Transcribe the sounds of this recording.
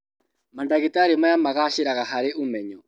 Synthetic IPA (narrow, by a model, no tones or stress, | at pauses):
mandaɣitaɾimajamaɣaʃiɾaɣaɦaɾeʔumɛɲɔ